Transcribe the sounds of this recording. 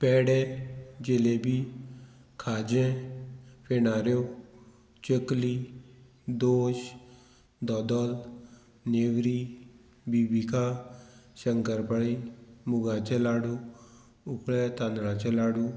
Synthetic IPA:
pɛːɽɛd͡ʒelebʱi | kʰaːd͡ʒẽ | penaːɾjo | t͡ʃəkli | d̪oːʃ | d̪ɔd̪ɔl | newɾi | bibika | səŋkəɾpəɽ̃imʊɡãt͡ʃəlaːɽu | ʊkɭɛt̪anɾãt͡ʃəlaːɽuː

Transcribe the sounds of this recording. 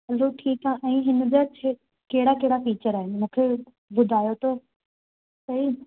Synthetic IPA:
ɦɐloʈʰiːkaʔɛ̃ːɦɪn̆d͡ʑat͡ɕʰe | keɦɽakeɦɪɽafiːt͡ɕəɾaːɦɪnɪ̆mũːkʰe | bʊd̪ʱaːjot̪oː | sɐɦi

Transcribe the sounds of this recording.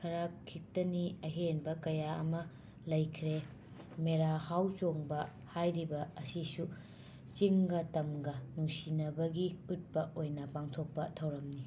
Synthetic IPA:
kʰɐɾakʰːitɐniɐɦenbɐkɐjaɐ̰mɐ | lɐjkʰɾe | meɾahawt͡ʃoŋbɐ | hajɾibɐɐsisu | t͡ʃiŋɡɐtɐmɡɐnuŋsinɐbɐɡiut̚pɐʔojnɐpaŋtʰok̚pɐtʰɐwɾɐmni

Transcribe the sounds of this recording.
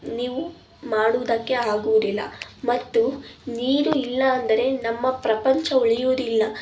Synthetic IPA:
niːʋu | maːɽuːd̪ɐkːe̞aːɡuʋd̪ilːɐ̰mɐt̪ːuniːɾuilːɐːnd̪ɐɾe̞nɐmːɐpɾɐpɐɲt͡ʃɐuɭijuːd̪ilːɐ

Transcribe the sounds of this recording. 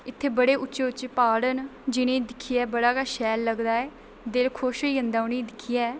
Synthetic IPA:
ɪt̪ʰːeːbəɽeːʔʊtːt͡ʃːeːʊt͡ʃːt͡ʃːeːpaːɽənd͡ʒɪnẽːd̪ɪkʰːɪjɛːbəɽaːkaːʃɛːlːəɡd̪aːɛː | d̪eːlkʰoːʃijənd̪aːʊnĩːd̪ɪkʰːɪjaɛː

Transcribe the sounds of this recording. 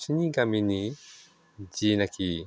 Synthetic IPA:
siniɡamini | d͡ʒinaki

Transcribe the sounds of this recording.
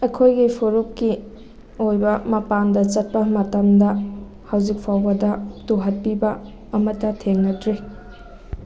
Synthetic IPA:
ɐkʰojɡipʰoɾup̚ki | ojbɐmɐpandɐt͡ʃɐt̚pɐmɐtɐmdɐ | hɐwzik̚pʰawbɐdɐtuɦɐt̚pibɐː | mɐtːɐtʰeŋnɐdɾi

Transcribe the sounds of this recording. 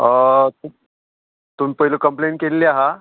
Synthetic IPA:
ət̪u | t̪uːmpəɦilokəmplenkelːiaɦa

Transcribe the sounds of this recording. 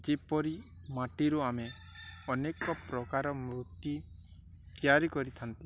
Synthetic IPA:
d͡ʒepɔɾimaʈiɾuameɔnekɔpɾɔkaɾɔmɾut̪ju | t̪ijaɾikɔɾit̪ʰant̪i

